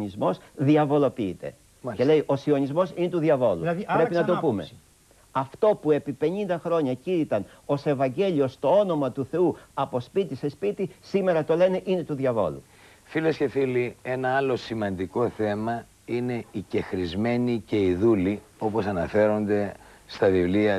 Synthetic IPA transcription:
ɲizmo̞s | ðiɐvo̞lo̞piit̪e̞̰ | cele̞iʔo̞sio̞ɲizmo̞sine̞t̪uðiɐvo̞lṵpɾe̞pinɐt̪o̞pume̞̰ | ɐft̪o̞pue̞pipe̞ɲind̪ɐxɾo̞ɲɐciɾit̪ɐn | o̞se̞vɐɲɟe̞ʎio̞st̪o̞o̞no̞mɐt̪uθe̞uɐpo̞spit̪ise̞spit̪isime̞ɾɐt̪o̞le̞ne̞ʔine̞t̪uðʝɐvo̞̰lṵ | filesce̞filie̞nɐɐlo̞simɐnd̪iko̞θe̞mɐ | ine̞ice̞xɾizme̞nice̞iðuli | o̞po̞sɐnɐfe̞ɾo̞nd̪e̞ | st̪ɐvivliɐ

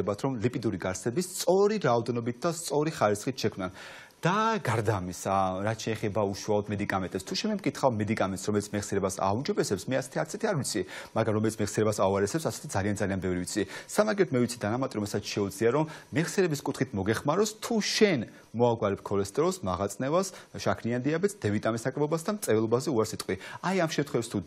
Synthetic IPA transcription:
ɛbat̪ʰɾɔmlipʼid̪uɾiɡaɾsɛbist̪sʼɔɾiɾaɔd̪ɛnɔbit̪̚ʰd̪ast̪sʼɔɾiχaɾisχit̪ʰʃɛkʰmnan | d̪̥aɡaɾd̪aːmisaɾat̪t͡ʃʰɛːχɛbauʃualˠɔd̪mɛd̪ikʼamɛnt̪ʼɛpst̪ʰuʃɛnmɛmkʼit̪ʰχavmɛd̪ikʼamɛnsɾɔmɛlit̪sʰmɛʁsiɛɾɛbasa̰und͡ʒɔbɛsɛpsmɛasɛ̥t̪ʰiaɾt̪ʰɛt̪ʰiaɾvit̪sʰimaɡɾamɾɔmɛlit̪smɛʁsiɛɾɛbasauaɾɛsɛpsasɛ̥t̪ʰid̪zalianzalianbɛvɾivit̪sʰisamaɡɛt̪ʰmɛvit̪sʰid̪anamat̪ʼiɾɔmɛlsat̪sʰʃɛud̪zliaɾɔmːɛʁsjɛɾɛbiskʼut̪ʰχit̪ʰmɔɡɛχmaɾɔst̪ʰuʃɛn | mɔaɡwaɾɛp̚ʰkʰɔlɛst̪ʼɾɔsmaʁat̪sʼnɛvasʃakʰniand̪iabɛt̪sʰd̪ɛvit̪ʼamisnakʼɾɛbɔbas̬d̪amt̪sʼɛvɛlˠɔbazɛuaɾsit̪ʼqʼwiajamʃɛmt̪ʰχwɛvɛpst̪ʰu

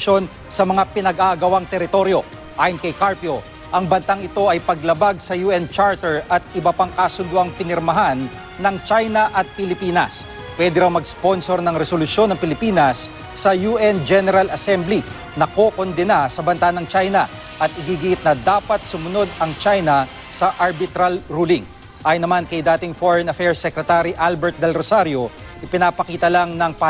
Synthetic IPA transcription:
o̞n | sɐmɐŋapɪnɐɡaɡɐwaŋt̪ɛɾɪt̪o̞ɾjo̞ | ʔaːjɐnkɐjkaɹpjo | ʔɐŋbɐnt̪aŋɪt̪o̞ʔɐjpɐɡ̚lɐbaɡ̚sɐjuːʔɛnt͡ʃaɹt̪ɛɹɐt̪̚ɪbɐpaŋkasʊnd̪ʊʔɐŋpɪnɛɾmɐɦanː | ɐŋt͡ʃajnɐʔɐt̪̚pɪlɪpiːnɐ̰s | pwɛd̪ɪɾawmɐɡspo̞nso̞ɾnɐŋɾɛsolʊsjo̞nːɐŋpɪlɪpiːnɐsː | ɐjuːʔɛnd͡ʒɛnɛɾɐlɐsɛmbli | nɐko̞ːkond̪ɛnasɐbɐnt̪anɐŋt͡ʃajnɐ | ʔɐt̪ɪɡiːɡɪʔɪt̪̚nɐd̪aːpɐt̪̚sʊmʊno̞d̪ɐŋt͡ʃajnɐ | sɐʔɐɾbɪt̪ɾalɾuːlɪŋ | ʔaːjʊnːɐmankɐjd̪aːt̪ɪŋfoɹɛnɐfɛɹsːɛkɾɛt̪aɾiʔalbɛɹt̪̚d̪ɛlɾosaɾjo̞ | ʔɪpɪnaːpɐkiːt̪ɐlaŋnɐŋpa

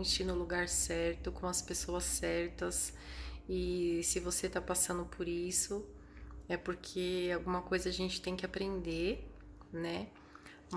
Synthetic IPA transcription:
t͡ʃɪnʊ̃luɡaɾsɛɾt̪ʊkõw̃ɐspesoɐsːɛɾt̪ɐs | ɪsɪvoset̪apasɐ̃nd̪ʊpʰoɾisʊ | ɛpoɾkʰeawɡũmɐkojzɐaʒẽnt͡ʃɪ̥t̪ẽj̃kɪapɾẽnd̪e | nɛ | m

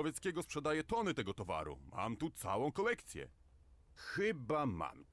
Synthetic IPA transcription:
ɔvʲjɛt̪skʲɛɡɔspʂɛd̪ajɛt̪ɔnɘt̪ɛɡɔt̪ɔva̰ɾṵma̰mt̪ut̪sa̰wɔ̃w̃kɔlɛkt̪sʲjɛ̰ | xɘbama̰m

